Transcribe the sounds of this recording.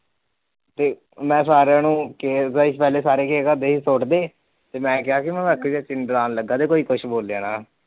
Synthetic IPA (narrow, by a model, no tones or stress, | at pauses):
t̪eː | mɛ̃ːsaːɾaːnũːkeːzaiʃpɛːleːsaːɾeːkeːkaːd̪eːiːsoːʈd̪eː | t̪eːmɛ̃ːkɪaːkɪmɛ̃ːʋɛːkːd͡ʒaːt͡ʃɪnbɾaːnləɡːaːt̪eːkoːiːkʊʃʰboːlaːnaː